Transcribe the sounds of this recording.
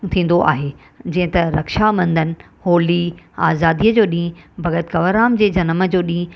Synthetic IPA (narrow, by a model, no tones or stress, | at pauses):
t̪ʰĩːn̆d̪oʔa̰ːɦeː | d͡ʑɐ̃ːɦɪ̃t̪ɐɾɐkʃamɐ̃nd̪ənɪ̆ | hoːliaːzaːd̪iəd͡ʑoːɗĩːbʱɐɣət̪kɐʋəɾaːmd͡ʑeːd͡ʑɐnmə̆d͡ʑoːɗĩː